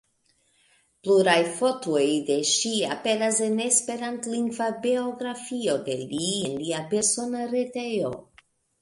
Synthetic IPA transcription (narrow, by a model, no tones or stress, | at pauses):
pluɾajfo̞tojde̞ʃiape̞ɾasene̞spe̞ɾantliŋɡvabeo̞ɡɾafio̞de̞̰lienliape̞ɾso̞naɾete̞jo̞̰